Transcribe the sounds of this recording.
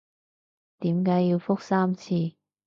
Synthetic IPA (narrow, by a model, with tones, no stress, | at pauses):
t̪iː˨˥mkaː˨˥ji˧wfʊ˥k̚saː˥mt͡sʰiː˧